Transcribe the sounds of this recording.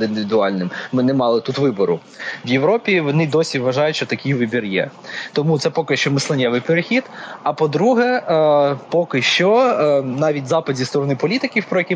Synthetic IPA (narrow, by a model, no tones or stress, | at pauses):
ind̪ɪʋʲid̪ʊɑlʲnɪmmɪnɛmɑlˠɪt̪ut̪ʋɪbɔɾʊ | ʋjeʋɾɔpʲiʋɔnɪd̪ɔsʲiʋʋɐʒɑjʊtʃt͡ʃɔt̪ɐkʲijʋɪbʲirjɛ̰ | t̪ɔmut̪sɛpɔkɪʃt͡ʃɔmɪslˠɐnʲɛʋɪjpeɾexʲid̪ɐpɔd̪ɾuɦɛ | pɔkɪʃt͡ʃɔnɑʋʲitʲzɑpɐdʲist̪ɔɾɔnɪpɔlʲit̪ɪkʲiwpɾɔjɐkʲi